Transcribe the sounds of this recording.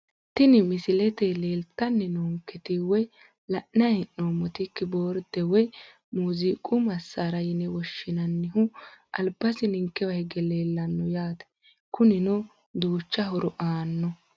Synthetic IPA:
t̪ɪnɪmɪsɪlɛt̪ɛle̞ːlt̪ːɐnːɪnoŋkːɛt̪ɪwɔj | lɐʔnɐjɛnːoːmɔt̪ɪkːɪboːɾd̪ɛwɔj | muːziːkʼʊmɐsːaɾɐjɪnɛwɔʃːɪnɐnːɪhʊʔɐ̰lbɐsɪnɪŋkːɛwɐhɛɡɛleːlːɐnːɔjaːt̪ɛ̥ | kʊnɪnɔ | d̪uːt͡ʃːɐhɔɾɔʔaːnːɔ

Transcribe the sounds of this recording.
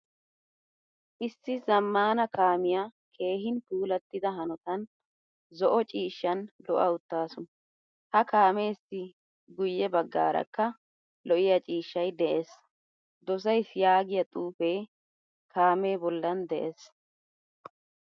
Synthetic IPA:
ʔɪsːɪzɐmːaːnɐkaːmɪjaː | kʰe̞ːɦɪnpuːlɐt̪ːɪd̪ɐɦɐnɔt̪ɐn | zɔʔɔt͡ʃʼiːʃːɐnlɔ̰ʔɐ̰ʊt̪ːaːsʊn | hɐkaːmeːsːɪ | ɡʊjːɛbɐɡːa̰ːɾɐ̰kːɐ | lɔʔɪjɐt͡ʃʼiːʃːɐjd̪ɛʔes | d̪ɔs̬ɐjsjaːɡɪjɐt̪ʼuːfeː | kʰaːmeːbɔlːɐnd̪ɛʔes

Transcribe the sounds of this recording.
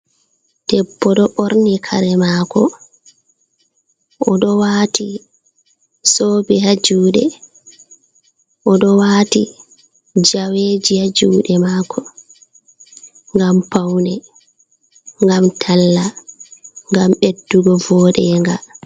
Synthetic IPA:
tɛpːɔɗɔʔoɾnikʰaɾɛmaːkʰɔ | ʔɔɗɔwaːti | soːbihad͡ʒuːɗɛ̰ | ʔɔɗɔwaːti | d͡ʒaweːd͡ʒihad͡ʒuːɗɛmaːkʰɔ | ŋɡampawnɛ | ŋɡamtʰalːa | ŋɡamɓedːuɡɔvɔːɗɛŋɡa

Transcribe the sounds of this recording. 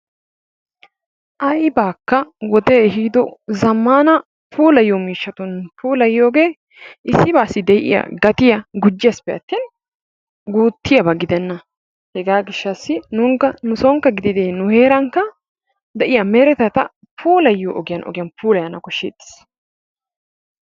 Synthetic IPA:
ʔɐjbaːkːɐwɔd̪eɛɦiːd̪ɔzɐmːaːnɐ | pʰuːlɐjoːmiːʃːɐt̪ʊnpuːlɐjːoːɡe̞ː | ʔɪsːɪbaːsːɪd̪ɛjʔɪ̰jɐ̰ɡɐt̪ɪjɐɡʊd͡ʒːɛspɛɐ̰t̪ːiːn | ɡuːt̪ːɪjɐbɐɡɪd̪ɛnːɐ | hɛɡaːɡɪʃːɐsːɪnʊŋkːɐnʊsɔŋkːɐɡɪd̪ɪd̪eːnʊheːɾɐŋkːɐ | d̪ɛʔɪjɐmeɾɛt̪ɐt̪ɐ̰ | pʰuːlɐjːo̰ːʔɔɡɪjɐnʔɔ̰ɡɪjɐnpʰuːlɐjɐnɐkɔʃːḛːd̪ɪ̥s

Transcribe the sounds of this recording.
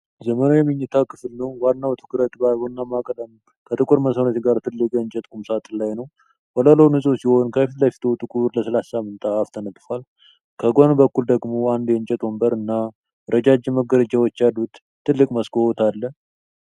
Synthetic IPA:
zəmənojɛmɨɲːɨt̪ʰakʰɨflnəwwanːawt̪ʰɨ̥kɨɾət̪ʼbabonːamakʼələm | kʰət̪ʼɨkʼuɾməsənot̪ɡaɾt̪ʰɨlːɨkʼjɛɨɲt͡ʃʼɛt̪ʼkumsat̪ʼlajnəw | wələləwnɨsʼosiho̞nkʰəfit̪lafi̥t̪ʰut̪ʼɨkʼuɾləsəlasamːɨnt̪ʼaːft̪ʰənət̪ʼfal | kʰəɡonbəkːuld̪əɡmo̞and̪jɛɲt͡ʃʼɛt̪ʼwɔmbəɾɨnːa | ɾəd͡ʒad͡ʒɛməɡələd͡ʒawɔt͡ʃːjadut̪ | t̪ʰːɨlːɨkʼməskohɔt̪ʰalːə

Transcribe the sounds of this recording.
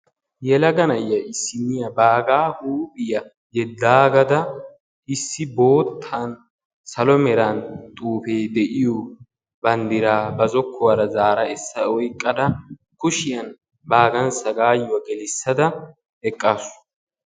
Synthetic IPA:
jɛlɐɡɐnɐjːɐʔɪsːɪnːɪjɐbaːɡaːhuːpʼɪjɐ | jɛd̪ːaːɡɐd̪ɐ | ʔɪsːɪbo̞ːt̪ʰːan | sɐlɔmɛɾant̪ʼuːfeːd̪ɛʔɪjɔ | bɐnd̪ɪɾaːbɐzɔkʰːɔwɐɾɐzaːɾɐɛsːɐɔjkʼːɐd̪ɐ | kʊʃɪjɐn | baːɡɐnsɐɡaːjʊwɐɡɛlɪsːɐd̪ɐ | ɛkʼːaːsʊ̥

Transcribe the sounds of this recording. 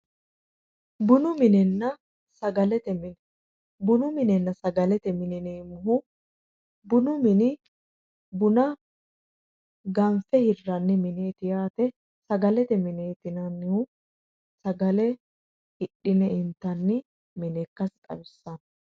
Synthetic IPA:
bʊnʊmɪnɛnːɐ | sɐɡɐlɛt̪ɛmɪn | bʊnʊmɪnɛnːɐsɐɡɐlɛt̪ɛmɪnɪneːmʊɦʊ | bʊnʊmɪnɪ | bʊnɐ | ɡɐmfɛhɪrːɐnːɪmɪneːt̪ɪjaːt̪ɛ | sɐɡɐlɛt̪ɛmɪneːt̪ɪnɐnːɪʊ | sɐɡɐlɛ | ɪɗːɪnɛɪnt̪ːɐnːɪ | mɪnɛkːɐst̪ʼɐ̰bɪsːɐn

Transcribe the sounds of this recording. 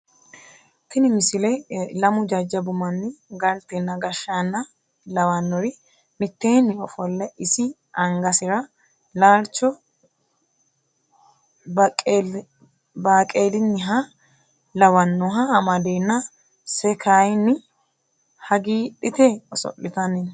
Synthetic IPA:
t̪ɪnɪmɪsɪlɛlɐmʊd͡ʒɐd͡ʒːɐbʊmɐnːɪɡɐlt̪ɛnːɐɡɐʃːaːnːɐ | lɐwɐnːɔɾɪ | mɪt̪ːeːnːɪɔfɔlːɛʔɪsɪ | ɐŋɡɐsɪɾɐ | laːlt͡ʃːɔ | bkʼː | baːkʼeːlɪnːɪɦɐ | lɐwɐnːɔɦɐːmɐd̪eːnːɐ | sɛkʰaːjnːɪ | hɐɡiːɗɪt̪eɔsɔ̰ʔːɪt̪ɐnɪn

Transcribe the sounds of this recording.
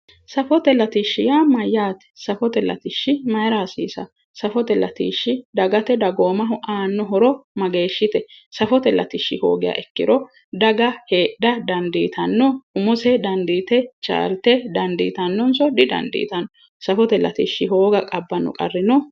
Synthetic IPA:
sɐfɔt̪ɛlɐt̪iʃːɪjaːmɐjːaːt̪ɛ̥sɐfɔt̪ɛlɐ̰t̪ɪʃːɪmɐjɾaːsḭːsɐ̰ | sɐfɔt̪ɛlɐt̪ḭːʃːɪd̪ɐɡɐt̪ɛd̪ɐɡo̞ːmɐɦʊʔaːnːɔɦɔɾɔmɐɡe̞ːʃːɪt̪ɛsɐfɔt̪ɛlɐ̰t̪ɪʃːɪ̰ho̰ːɡɪja̰ʔɛkːɪ̰ɾɔ | d̪ɐɡɐheːdɐd̪ɐnd̪iːt̪ʰɐnːɔʊmʊsɛd̪ɐnd̪iːt̪ɛt͡ʃʼa̰ːlt̪ɛd̪ɐnd̪ḭːt̪ɐnːɔnsɔd̪ɪd̪ɐ̰nd̪ḭːt̪ɐnɔ | sɐfɔt̪ɛlɐ̰t̪iʃːɪɦo̞ːɡɐkʼɐbːɐnːʊ̰kʼɐ̰rːɪnɔ

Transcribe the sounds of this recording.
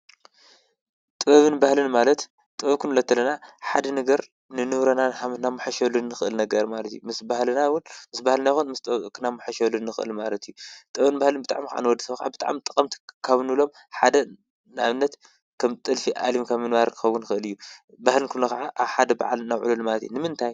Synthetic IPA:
t̪ʼɨβɐβɨnbahlɨnmalɐt̪ | t̪ʼɨβɐβkʰunɨlɐt̪ʰːɐlːɐnaħad̪ɐnɐɡɐɾ | nɨnɨβɾɐnanħamɨt̪namːɨħaʃolɨnːɨxɨʔɨlnɐɡɐɾmalɐt̪jumɨsbahlɨnawʊnmɨsbahlɨnajxunmɨst̪ʼβkʰɨnamːɨħaʃolɨnːɨxɨʔɨ̰lmalɐt̪ʰijːut̪ʼɨɐβɨnbahlɨnbɨt̪ʼa̰ʕmikaʕa̰nɨwɔd̪ːisɐβkaʕa̰bɨt̪ʼa̰ʕmt̪ʼɐ̥kʼɐmt̪ʰkʰaβnɨlo̞m | ħad̪ɐ | naβɨnːɐt̪ | kʰɐmt̪ʼɨlfiʔa̰limkʰɐmːɨnwaɾkʰɨ̥xɐwːunxɨɨlɨjːu | bahlɨnkʰulːɐxaʕaʔaβħad̪ɐba̰ʕa̰lnawʕṵlulmalɐt̪j̰ṵnɨmɨnt̪ʰaj

